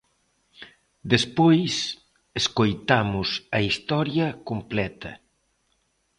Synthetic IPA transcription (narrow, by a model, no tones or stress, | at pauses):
d̪espojs | eskojt̪amʊsɐist̪ɔɾjɐkomplɛt̪ɐ̰